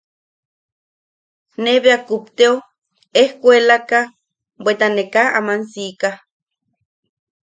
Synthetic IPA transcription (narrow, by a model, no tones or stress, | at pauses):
neβeakup̚t̪eo | ehkʷelaka | bʷwet̪anekaa̰mansika